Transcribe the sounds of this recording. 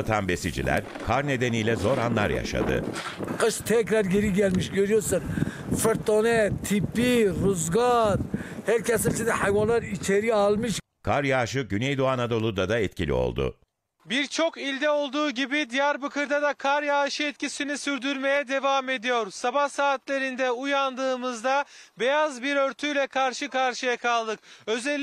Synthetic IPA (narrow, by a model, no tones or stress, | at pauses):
t̪ʰanbe̞sid͡ʒḭlʲæ̰ɾ | kʰaɾne̞d̪e̞nijlʲɛzo̞ɾanlˠa̰ɾja̰ʃa̰d̪ɯ̰qʰɯʃt̪ʰɛcɾaɾɡeɾiɡælʲmiʃɟøɾyjoɾsɯnfɯɾt̪onɛt̪ʰipːiɾuzɡaɾhæɾcʰɛsint͡ʃinɛhajvanlˠaɾit͡ʃʰeɾialˠmɯʃ | kʰaɾjaːʃɯɟynejd̪oanad̪o̞lˠud̪ad̪aɛt̪̚cʰilʲḭo̰lˠd̪ʊ̰ | biɾt͡ʃʰo̞kilʲd̪ɛo̞lˠd̪uːɟibid̪ijæɾbɯkʰɯɾd̪ad̪akʰaɾjaːʃɯɛt̪̚cʰisinisyɾd̪yɾme̞jɛd̪e̞vaːme̞d̪ijo̞ɾsabahsaːt̪lʲe̞ɾind̪ɛujand̪ɯːmɯzd̪abejazbiɾø̞ɾt̪ʰyjlʲɛkʰaɾʃɯkaɾʃɯjakʰalˠd̪ɯk̚ø̞zɛlʲː